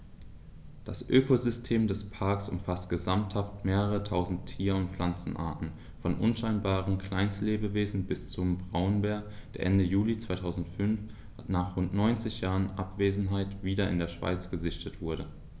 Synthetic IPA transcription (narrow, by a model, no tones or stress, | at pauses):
d̥asʔøːkʰozʏstʰeːmdɛspʰaɐksʔʊ̰mfastɡ̥əzamthaftmeːʁəʁətʰaʊzn̩tʰːiːɐʊntflant͡sn̩ʔa̰ɐtn̩ | fɔnʔʊnʃaɪnbaːʁ̞ənkʰl̥aɪnstleːbəveːzn̩bɪst͡sʊmbʁaʊnbeːɐd̥eːɐʔɛndəjuːlit͡sv̥aɪtʰaʊzn̩tfʏnf | naːχʁʊntnɔʏnt͡sɪçjaːʁənʔa̰pv̥eːzn̩ɦaɪtv̥iːdɐɪ̰ndeːɐʃv̥a̰ɪt͡sɡ̥əzɪçtʰətv̥ʊɐɾə